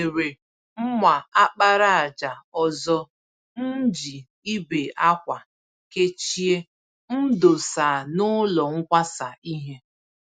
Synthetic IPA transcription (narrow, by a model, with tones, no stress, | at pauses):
e˨ɾe˨ | m̩˦mʷa˨a˦k͡pa˦ɾa˦a˨d͡ʒa˨ɔ˨zɔ˦ | n̩˦d͡ʒi˨ | i˦be˨ʔa˦kʷa˨ | ke˦t͡ʃi˦e˦ | n̩˦do˨sa˨nʊ˦lɔ˨ŋ̩˦kʷa˦sa˨i˦ɦe˦